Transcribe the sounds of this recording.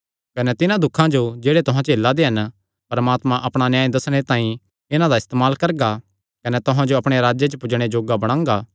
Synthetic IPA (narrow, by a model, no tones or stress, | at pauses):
kɐnɛt̪ɪnãd̪ʊkʰːãd͡ʒod͡ʒeːɽet̪ʊɦãt͡ʃeːlːad̪eɦɐn | pɐɾɐmaːt̪mãʔɐpɽ̃anjaːĩd̪ɐsɽ̃et̪ãːĩ | ɪnãd̪aɪst̪eːmaːlkɐɾɡa | kɐnɛt̪ʊɦãd͡ʒoɐpɽ̃eɾaːd͡ʒet͡ʃəpʊd͡ʒɽ̃ed͡ʒoːɡabɐɽ̃ãːŋɡaː